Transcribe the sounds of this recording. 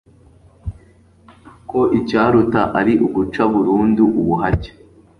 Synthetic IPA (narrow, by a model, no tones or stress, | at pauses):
ko̞ʔicaːɾutaʔaɾiʔuɡut͡ʃaβuɾuːnduʔuβuɦaɟe̥